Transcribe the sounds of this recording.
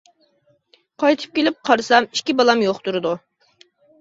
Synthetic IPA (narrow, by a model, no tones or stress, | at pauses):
qʰɑjt̪ʰɨ̥p̚kʲelɪp̚qʰɑɾsɑmi̥ʃkʲibɑlˠɑmjoχt̪uɾɨd̪u